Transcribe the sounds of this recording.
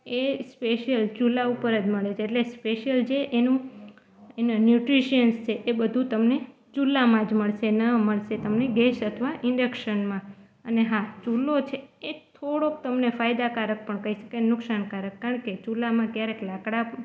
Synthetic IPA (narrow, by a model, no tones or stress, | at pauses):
espeʃijəlt͡ʃulːaupəɾəd͡ʒməɭet͡ʃʰeːʈlespeʃijəld͡ʒeʔenũ | enanjuʈɾiʃiənst͡ʃʰeʔebəd̪ʱũt̪əmne | t͡ʃulːamãd͡ʒməɭʃenəməɭʃet̪əmneɡesət̪ʰʋaʔɪ̃ɳɖəkʃənmã | əneɦãt͡ʃulːot͡ʃʰeːt̪ʰoɽok̚t̪əmnefajd̪akaɾək̚pəɳkəiʃə̥kanʊksankaɾəkːaəɳket͡ʃulamãkjaɾeklakɽapə